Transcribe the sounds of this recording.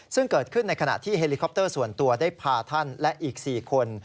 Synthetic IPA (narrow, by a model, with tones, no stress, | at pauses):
sɯ˥˩ŋkɤː˨˩t̪̚kʰɯ˥˩nːa˧jkʰa˧na̰˨˩t̪ʰiː˥˩ɦe˧li˧kʰɔ˦˥p̚t̪ɤː˥˩su˨˩ənt̪u˧ɐdaː˥˩jjpʰaː˧t̪ʰa˥˩nlɛ˦˥ʔiː˨˩k̚siː˨˩kʰo˧n